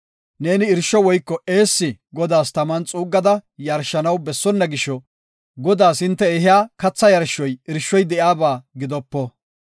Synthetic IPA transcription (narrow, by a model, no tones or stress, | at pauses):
ne̞ːnɪɪɾʃːɔwɔjkːɔe̞ːsːɪɡɔd̪aːst̪ɐmant͡sʼuːɡːɐd̪ɐjɐɾʃːɐnɐwbɛsːɔnːɐɡɪʃɔ | ɡɔd̪aːsɪnt̪ːɛɛɦɪjaːkɐt͡sːɐjɐɾʃːɔjɪɾʃːɔjd̪ɛʔjaːbaːɡɪd̪ɔpːɔ